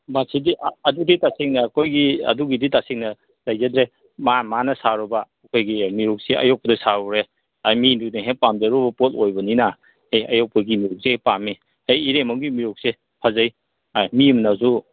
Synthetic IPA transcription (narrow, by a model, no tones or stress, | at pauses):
masidiʔɐduditaseŋnɐːkʰojɡiɐ̰duɡiditaseŋnɐ | lajzɐdɾe | mamanɐsaɾɔbɐːkʰojɡimiɾuk̚siɐ̰jok̚pɐdɐsaɔɾe | ajminuk̚niɦepamzɐɾɔbɐpotojbɐnina | ejɐ̰jok̚pɐɡimiɾok̚sejpamːi | hajːɾemawɡimiɾok̚se | pʰazaj | ajmimnazu